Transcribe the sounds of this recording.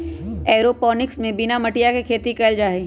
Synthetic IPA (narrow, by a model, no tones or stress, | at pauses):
ɛːɾopɔːnɪksmẽbɪnamɐʈijakekʰeːt̪ikɛld͡ʒaːe